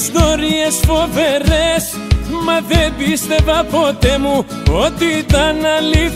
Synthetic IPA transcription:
snoɾiesfo̞ve̞ɾes | mɐðebist̪e̞vɐpo̞t̪emu | o̞t̪it̪ɐnɐli

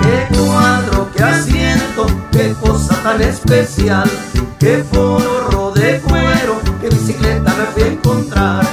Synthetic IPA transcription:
ekwanɾokeasjent̪okekosat̪anespesjalkefoɾoɾoðefweɾokeβisiklet̪amefeeŋkont̪ɾaɾ

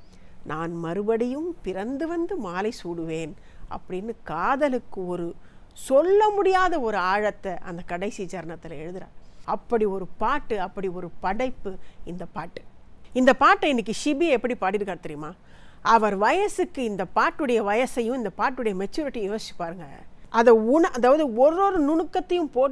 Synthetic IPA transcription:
nʔaːnmɐɾɯbɐɽɐjɯmpɪɾɐnd̪ɯʋɐnd̪ɯmaːlɐɪsuːɽɯʋeːn | ʔɐ̰pːɐɽɪnːɯkaːðɐlɯkːɯɔɾɯ | sɔlːɐmʊɽɪjaːðɐɔɾɯaːɻɐt̪ːɐʔɐ̰nd̪ɐkɐɽɐɪsid͡ʒɐɾɐnɐt̪ːɪlɐɛɻɯðɯɾa̰ːɾɐpːɐɽiɔɾɯpaːʈːɯɐpːɐɽiɔɾɯpɐɽɐɪpːɯɪnd̪ɐpaːʈːɯ̥ɪnd̪ɐpaːʈːɐɪnːɪk̬ːɯʃɪbɪɐɛpːɐɽipaːʈːɪɾɯkːaːɾt̪ɐɾɪjmaː | ʔɐʋɐɾʋɐjɐsɯkːɯɪnd̪ɐpaːʈːɯɽɐjɐʋɐjɐsɐjʊ̃mɪnd̪ɐpaːʈːɯɽɐjɐmɛt͡ʃːuːɾɪʈːijjoːsɪt͡ʃːɯ̥pːaːɾɯŋɡɐʔɐðɐʊnɐʔɐðaːʋɐðɯɔɾːoːɾɯnʊɳɯkːɐt̪ːɐjɯ̃mpoː

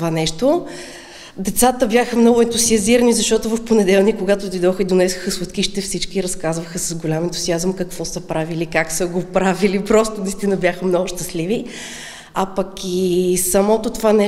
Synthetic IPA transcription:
vanɛʃt̪o | d̪ɛt̪sat̪əbʲjaxəmnɔɡʊɛnt̪uziɐziɾənizɐʃt̪ɔt̪ʊvɐfponɛd̪ɛlˠnikːoɡat̪od̪ojd̪ɔxəid̪onɛsʊ̥xəsvˠɐt̪kiʃit̪ɛfsit͡ʃkiːɾɐskazvəxəsəzɡʊlʲamɛnt̪uziazəmkəkvɔsəpɾavilikaksəɡopɾavilipɾɔst̪ʊnəist̪inəbʲjaxəmnɔɡʊʃt̪əslivi | apəkisɐmɔt̪ot̪ovanɛ

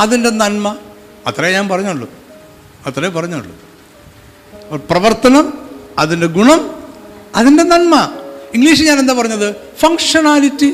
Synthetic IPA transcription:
ɐðinde̞nɐnmɐ | ɐt̪rɐjeɲaːnpɐrɐɲːaːɭːṵ | ɐt̪ːrɐjepɐrɐɲːaːɭːṵ | prɐʋɐrt̪ɐnɐmɐðinde̞ɡuɳɐm | ɐðinde̞nɐnmɐiŋɡliːʂ̬ɨɲaːne̞nd̪aːp̬ɐrɐɲːɐðɨ | fɐŋkʂɐnaːlitːi

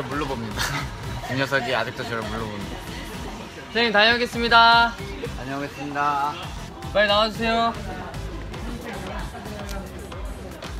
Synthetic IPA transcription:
muɭːʌbomɲidauŋʌs̬ʰʌɡiad͡ʑɯk̚t͈ot͡ɕʰʌɾʌmuɭːʌboma | sʰeitaɲʌɡe̞s͈ɯmɲidataɲʌɡes͈ɯmɲida | kenaaus̬ʰe̞jo

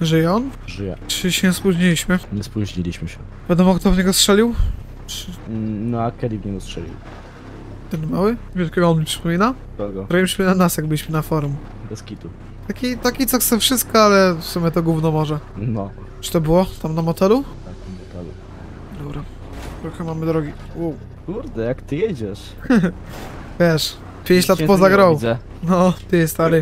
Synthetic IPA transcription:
ʐɘjɛɔnʐɘjɛ̰t͡ʂt͡ʂɘɕɛspuʑɲilʲiɕmɘɲɛspuʑɲilʲiɕmɘɕɛ | vʲjad̪ɔmɔkt̪ɔvɲɛɡɔstʂɛlʲiw | t͡ʂnɔakʲɛlʲivɲɛɡɔstʂɛ̰lʲḭw | t̪ɛnmawɘvʲɛlkʲɛɡɔɔnɲʲipʂɨ̥pɔmʲina | d̪ɔɡɔpɾɔjimʲiɕmɘnanasjaɡbɘlʲiɕmɘnafɔɾum | bɛskʲit̪u | t̪akʲit̪akʲit̪sɔkt̪sɛfʂɘst̪̚kɔalɛfsumʲɛt̪ɔɡwuvnɔmɔʐɛnɔ | ʈ͡ʂɨ̥t̪ɔbɘwɔt̪amnamɔt̪ɛlut̪ak̪mɔt̪ɛlṵ | d̪ɔbɾa | t̪ɾɔxɛmamɘd̪ɾɔɡʲi | wuw | kuɾd̪ɛjakt̪ɨjɛd͡ʑɛʂ | vʲjɛʂ | pʲjẽɲt͡ɕlat̪pɔzaɡɾawzɛ | nɔt̪ɨjɛst̪alɛj

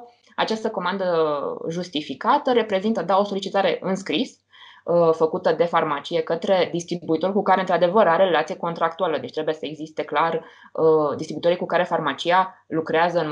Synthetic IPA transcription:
at͡ʃast̪əko̞mand̪əʒust̪ifikat̪əɾe̞pɾe̞zint̪əd̪ao̞so̞lit͡ʃit̪aɾe̞ʔɨnskɾis | fəkut̪əd̪e̞farmat͡ʃije̞kət̪ɾe̞d̪ist̪ɾibuit̪o̞rʲkukaɾent̪ɾad̪e̞vəɾaɾeɾelat̪sijeko̞nt̪ɾak̚t̪ualəd̪et͡ʃʲt̪ɾebuje̞səe̞ɡzist̪e̞klar | d̪ist̪ɾibuit̪o̞ɾikukaɾe̞farmat͡ʃijalukɾeazəɨn

